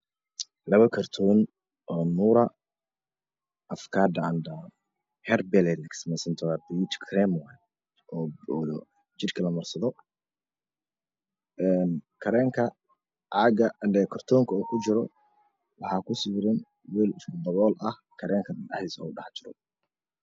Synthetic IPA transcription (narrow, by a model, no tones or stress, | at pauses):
lɐβɐkʰɐrt̪ʰɔn | ʔɔːnuːɾɐ | ʔɐfkʰaːd̪ɐɐndɐ | hɛrbɛlɛlɪksmɛsɐnt̪ʰɔwaːbut̪kʰrɛmwɛj | ʔɔː | t͡ʃɪrkʰɐlɐmɐrsɐðɔ | ʔɛnkʰɐɾɛːŋkʰɐ | ʕɑːɡɐɐnd̪ɛkʰɐrt̪ʰɔːŋkʰɐuːkʰʊt͡ʃɪɾɔ | wɑħɑːkʰʊsɪβɾɪn | wiːlɪskd̪ɐβɔːlʔɐh | kʰɐɾɛːŋkʰɐnɑ̰ħd̪isɐɔ̰wɖɑħt͡ʃɪɾɔ̰